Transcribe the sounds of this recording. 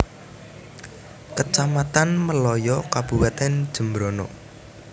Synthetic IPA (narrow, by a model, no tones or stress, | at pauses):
kət͡ʃamat̪anməlɔjɔkab̥uwat̪ɛnd̥ʒ̥ə̤mbɾonɔ̰